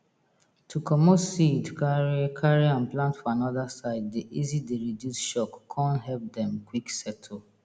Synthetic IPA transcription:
tʰukʰɔmɔsidkaɹikʰaɹiãnplãntfɔanɔðasaɪdːeʔizideɹidjusʃɔkːʰãntɦɛp̚dɛ̃mkwiksɛtʰo

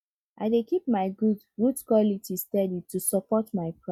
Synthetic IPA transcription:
ʔa̰ɪdekip̚maɪɡud | ɡudkwɔlitistɛditusɔpɔtmaɪpʰɹa

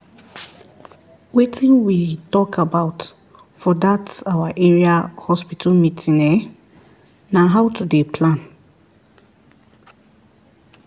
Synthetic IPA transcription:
wetʰĩnwitɔkʰabaʊt | fɔdatawaʔɛɹiahɔspitʰalmitʰĩnɛ | naɦawtʰudepʰlãn

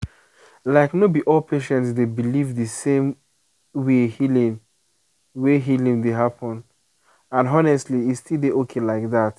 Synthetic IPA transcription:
laɪknobiʔɔlpʰeʃɛ̃ntsdebilivðɨsẽm | wehilĩn | weɦilĩŋdeɦapʰɔ̃n | ãnɔnɛstliistilˠdeʔokʰelaɪk̚ðat

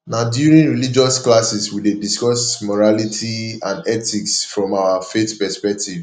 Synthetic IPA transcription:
nadjuɹĩnɹilid͡ʒɔsklasiswidediskɔsmɔɹalitʰiãndɛtiksfɹɔ̃mawafeθpɛspɛk̚tiv

